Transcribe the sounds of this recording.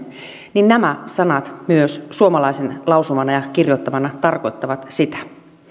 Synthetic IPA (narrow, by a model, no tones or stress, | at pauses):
ninnæmæsɑnɑt̪myøssuomɑlɑisenlɑwsumɑnɑjɑkirjot̪ːɑmɑnɑt̪ɑrko̞it̪ːɑʋɑt̪sit̪æ̥